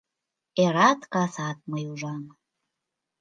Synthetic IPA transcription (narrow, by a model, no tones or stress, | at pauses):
eɾɑt̪kɑsɑt̪̚məjuʒɑn